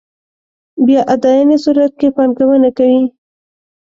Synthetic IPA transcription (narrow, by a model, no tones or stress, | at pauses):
bjɑʔad̪ɑjanesuɾat̪̚kepɑnkawənakawi